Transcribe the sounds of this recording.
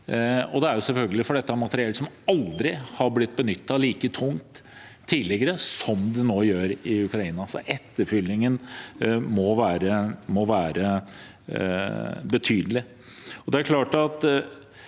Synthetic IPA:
ɔd̪ɛæɾjʊsɛlfœlɡəlɪfɔɖɛt̪ːəɑmɑt̪əɾɪɛlsɔmɑld̪ɾɪhɑɾblɪt̪̚ːbənʏt̪ːɑliːkət̪ʰʊŋt̪ʰː | iːlɪɡəɾəsɔmd̪ɛnoːjøːɾɪʉkɾɑiːnɑsɔ̰ʔɛt̪ːəɾfʏlːɪŋən | mɔʋæːɾəmɔʋæːɾə | bət̪ʰyːd̪əlɪ | ɔd̪ɛæɾkʰlɑːʈɑt̪

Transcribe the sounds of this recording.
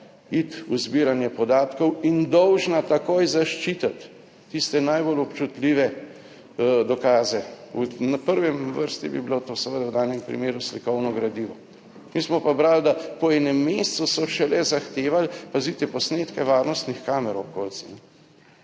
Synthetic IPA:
it̪uzbiːɾanjɛpɔd̪aːt̪kɔwind̪ɔwʒnat̪akoːjzaʃt͡ʃit̪at̪ː | ist̪ɛnajbolɔpt͡ʃut̪liːʋɛ | d̪ɔkaːzɛunapəɾʋɛmʋəɾst̪ḭbḭbilot̪oːsɛʋəd̪awd̪aːnjɛmpɾḭmeːɾuslikɔwnɔɡɾad̪iːʋɔ | mismɔpabɾald̪apɔɛnɛmːest̪susɔʃɛlɛzaxt̪eːʋalpazit̪ɛpɔsneːt̪kɛʋaːɾnɔst̪nixkaːmɛɾɔkolt͡s̪inɛ

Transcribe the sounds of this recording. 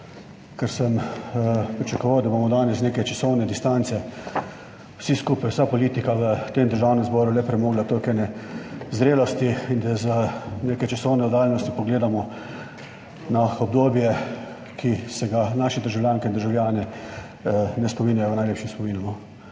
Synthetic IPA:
kəɾsəm | pɾit͡ʃakɔʋawd̪abomɔd̪aːnɛsneːkɛjt͡ʃasɔwnɛd̪ist̪ant̪sɛ | w̥siskuːpajwsapɔliːt̪ikaʋət̪emd̪əɾʒaːwnɛmzbɔːɾulɛpɾɛmoːɡlat̪oːlkɛjnɛzɾeːlɔst̪iind̪azənekɛt͡ʃasɔwnɛɔd̪aːlnɔst̪ipɔɡleːd̪amɔ | naɔbd̪oːbjɛ | kʰisɛɡanaːʃɛd̪əɾʒawljaːŋkɛind̪ɾʒawlʲjaːnɛ | nɛspɔmiːnjajɔwnajleːpʃimspɔmiːnunɔ

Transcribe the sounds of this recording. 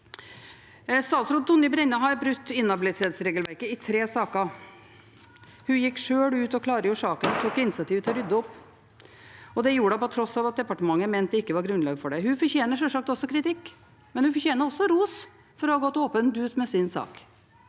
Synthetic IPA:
st̪ɑːt̪sɾʊt̪ʰːɔnːɪbɾɛnːɑɦɑɾbɾʉt̪ːɪnːɑbɪlɪt̪ʰeːt̪sɾeːɡəlʋæɾkəɪt̪ʰɾeːsɑːkə | hʉjɪkːʂøːɽʉːt̪ɔkʰlɑːɾəjuʂɑːkənɔt̪ʰuːkɪnsɑt̪ʰiːʋət̪ʰɛɾʏd̪əɔpː | ɔd̪ɛjuːɾəɖɛpɔt̪ʰɾɔsːɑʋɑt̪̚d̪ɛpɑʈəmɑŋːəmɛnt̪̚d̪ɛɪkːəʋɑɾɡɾʉnlɑːɡfɔɖɛhʉfɔɾçeːnəʂɛlʂɑk̚t̪ɔsːɔkʰɾɪt̪ɪkː | mɛnhʉnfɔɾçeːnəɾɔsːɔɾuːs | fɔɾɔhɑɡɔt̪ːoːpənt̪ʉːt̪mɛsɪnsɑ̰ːk

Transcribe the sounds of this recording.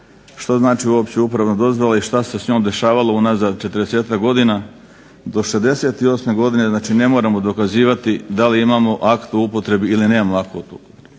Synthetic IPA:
ʃt̪oznaːt͡ʃiuo̞ːpt͡ɕeupɾaʋnod̪o̞zʋolaiʃt̪ase̞sɲoːmd̪e̞ʃaːʋalounazad̪̚t͡ʃe̞t̪ɾd̪eseːt̪akɡo̞d̪ina | d̪o̞ʃezd̪e̞se̞ːt̪io̞ːsme̞ɡo̞d̪ine̞znaːt͡ʃine̞mo̞ːɾamo̞d̪o̞kaziːʋat̪id̪aliimamo̞ʔakt̪uupo̞t̪ɾe̞biilineːmamoakoot̪upot̪ɾ

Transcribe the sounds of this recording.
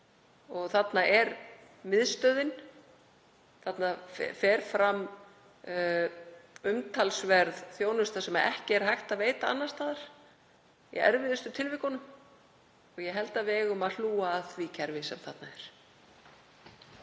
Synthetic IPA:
ɔɣθat̪naʔɛɾ | mɪðst̪œðɪn | θat̪nafɛɾ̥fɾam | ʏmt̪ʰalsvɛɾðθjoːwnʏst̪asɛmaɛ̰hcɪɛɾɦajxt̪aðveːjt̪aa̰nːast̪aːðaɾ̥ | ḭɛ̰ɾvɪðʏst̪ʏt̪ʰɪlvɪhkɔnʏm | ɔɣjɛɦɛlt̪avɛːɣʏmaðl̥uːaːðθvicʰɛɾvɪsɛmθat̪naɛɾ̥

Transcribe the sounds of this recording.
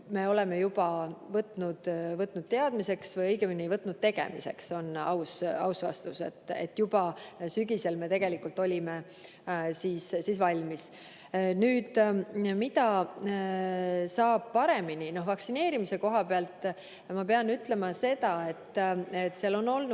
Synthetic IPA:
me̞o̞le̞me̞jubɑvɤt̪ːˑnud̪̥vɤt̪ːˑnud̥̪̚t̪e̞ɑd̪̥mise̞ksvɤjɤjɡ̥eminiejvɤt̪ːˑnud̪̥̚t̪e̞ɡe̞̰mḭse̞̰kso̞nɑ̰wsɑ̰wsvɑ̰st̪use̞̰t̪ˑːe̞̰t̪ːjubɑsyɡise̞lme̞t̪e̞ɡ̥e̞likːˑult̪ːˑo̞lʲime̞ | siːssiːsvɑlʲmis | nyːd̪̥mid̪ɑ | sɑːb̥̚pɑɾe̞minino̞ɦvɑksine̞ːɾimise̞ko̞ɦɑpeɑlt̪ːˑ | mɑpeɑnyt̪ːle̞mɑse̞d̪ɑe̞t̪ːet̪ːseɑlo̞nːo̞lnu

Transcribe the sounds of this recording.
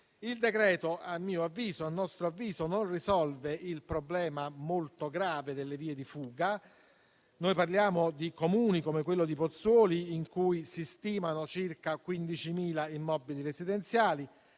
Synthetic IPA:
ild̪ekɾɛːt̪oamːiːoavːiːzoanːɔst̪ɾoavːiːzononrizɔlveilpɾoblɛːmamolt̪oɡɾaːved̪elːeviːed̪ifuːɡa | nojparljaːmod̪ikomuːnikomekwelːod̪ipot̪sɔːliːŋkujsist̪iːmanot͡ʃirkakwind̪it͡ʃimiːlaimːɔbiliɾezid̪ɛnt̪sjaːli

